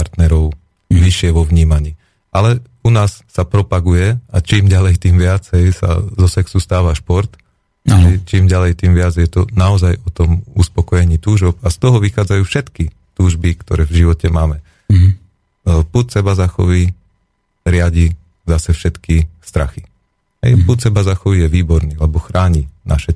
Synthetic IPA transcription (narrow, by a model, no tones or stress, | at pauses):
aɾt̪nɛɾɔʊ | ʋiʃɪɛʋɔʋɲiːmaɲiː | alɛ | unaːsːapɾɔpaɡujɛat͡ʃiːmɟalɛjt̪iːmʋɪad͡zɦɛjsa̰zɔsɛksust̪aːʋaʃpɔɾt̪ | aɛt͡ʃiːmɟalɛjt̪iːmʋɪad͡zjɛt̪ɔnaɔzajɔt̪ɔmuspɔkɔjɛɲiːt̪uːʒɔpast̪ɔɦɔʋixaːd͡zajuːfʃɛt̪ki | t̪uːʒbikt̪ɔ̰ɾɛːvʒiʋɔcɛmaːmɛ | put̪sɛbazaxɔ̰ʋi | ɾɪaɟi | zasɛfʃɛt̪kist̪ɾa̰xi | ɦɛ̰jput̪sɛbazaxɔʋijɛʋiːbɔɾnialɛbɔxɾaːɲina̰ʃɛ